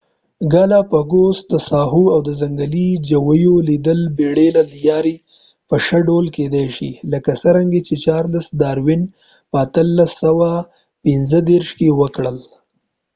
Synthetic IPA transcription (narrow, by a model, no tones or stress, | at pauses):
ɡalapəɡosd̪əsɑɦuawd̪əzaŋɡalid͡ʒawəjolid̪əlbeɽelaljɑɾi | pəʃəɖolked̪ajʃḭləkasəɾaŋɡet͡ʃet͡ʃɑɾlasd̪ɑɾwin | pəat̪əlːasəwa | pɪnzəd̪eɾʃkewəkɽəl